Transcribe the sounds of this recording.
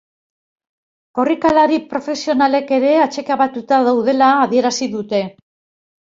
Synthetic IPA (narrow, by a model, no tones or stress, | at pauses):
ko̞rikalaɾipɾo̞fe̞sio̞nale̞ke̞ɾe̞at͡ʃe̞kaβat̪ut̪aðawðe̞laːðie̞ɾasiðut̪e̞